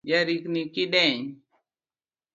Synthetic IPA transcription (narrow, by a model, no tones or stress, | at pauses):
jaɾiknikiɗeɲ